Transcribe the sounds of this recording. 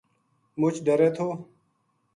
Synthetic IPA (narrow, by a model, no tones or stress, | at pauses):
mʊt͡ʃʰɖəɾeːt̪ʰoː